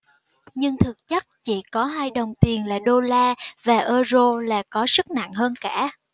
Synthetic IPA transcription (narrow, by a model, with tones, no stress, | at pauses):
ɲɨ˧ŋt̪ʰɨ˨˩k̚t͡ɕə˦˥k̚t͡ɕḭ˧˩kɔ˨˦ɦaː˧jɗə˨˩wŋ͡mt̪i˨˩ənla̰ː˧˩ɗo˧laː˧vaː˨˩ʔəː˧zo˧la̰ː˨˩kɔ˨˦sɨ˦˥k̚na̰˧˨ŋɦəː˧nkaː˧˩